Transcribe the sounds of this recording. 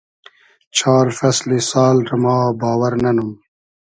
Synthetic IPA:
t͡ɕʰaːɾfɐslisɑːlɾɐmaːbaːwɐɾnɐnum

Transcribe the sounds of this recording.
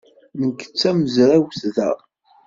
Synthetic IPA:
nəkːə̥t͡sːæməzɾæwθðæ̰

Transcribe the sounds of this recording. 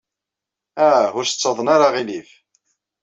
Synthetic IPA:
æʊɾsə̥t͡sːɑðˤnaɾaʁilif

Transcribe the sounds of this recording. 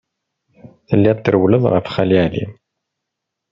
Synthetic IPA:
θəlːæt̪ːəɾwləðˤʁə̰fχæliælḭ

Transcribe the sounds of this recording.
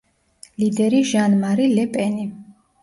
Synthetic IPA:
lid̪ɛɾiʒanmaɾilɛpʼɛni

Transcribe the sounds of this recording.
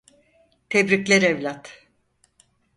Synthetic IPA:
t̪ʰebɾiclʲɛɾevlʲat̪

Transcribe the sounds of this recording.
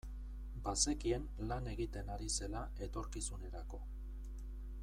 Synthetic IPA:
base̞kie̞n | lane̞ɣit̪e̞naɾise̞la | e̞t̪o̞ɾkisune̞ɾako̞

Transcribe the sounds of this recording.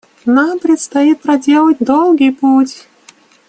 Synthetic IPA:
nampɾʲɪt̪st̪ajit̪̚pɾɐdʲelˠət̚ʲd̪olˠɡʲijputʲ

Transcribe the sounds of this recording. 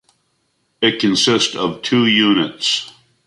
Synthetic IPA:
ɨt̚kʰɨ̃nsɪstʌv̥tʰʉjʉnɨts

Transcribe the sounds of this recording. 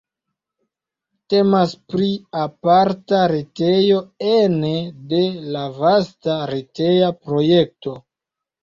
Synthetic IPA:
te̞maspɾiapaɾtaɾetejo̞enede̞lavastaɾeteapɾo̞je̞k̚to̞

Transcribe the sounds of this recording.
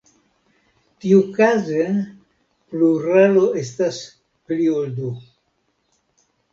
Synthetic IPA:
tiukaze | pluɾaloestas | pliold̪u

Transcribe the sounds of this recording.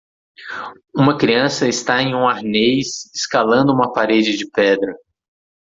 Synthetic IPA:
ũmɐkɾiɐ̃sɐɪst̪aẽj̃ũaɾnejsɪskalɐ̃nd̪ʊũmɐpaɾed͡ʒɪd͡ʒɪpɛd̪ɾɐ

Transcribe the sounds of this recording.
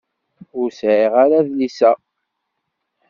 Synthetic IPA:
ʊɾsʕiʁaɾaðlisæ

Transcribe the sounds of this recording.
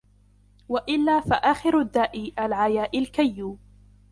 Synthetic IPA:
waʔɪlːaːfaʔaːxɪɾʊd̪ːaːʔɪːʔalʕajaːʔɪlkajːuː

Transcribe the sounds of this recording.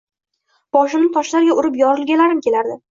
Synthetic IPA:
b̥ɒʃɪmnɪt̪ʰɒʃlaɾɪɡʲaʔʊɾɪpjɒɾɪlˠɡʲanlːaɾɪmkʲʰe̞laɾd̪ɪ

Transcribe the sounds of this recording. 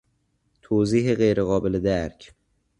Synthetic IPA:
t̪ʰoːziːɦeɣejɾeɣɒːbeled̪æɾcʰ

